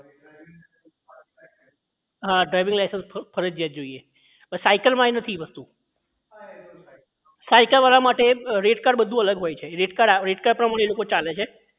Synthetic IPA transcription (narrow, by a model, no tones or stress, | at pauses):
ɦãɖɾajʋĩŋɡlajsə̃nspʰəɾəd͡ʒd͡ʒjad͡ʒoie | pəssajkəlmãenət̪ʰiʋəst̪ũ | sajkəlmanãmaʈeɾeʈkaɖbəd̪ʱũələɡɦojt͡ʃʰeɾeʈkaɽaɾeʈkaɽpɾəmaɽ̃elokot͡ʃalet͡ʃʰe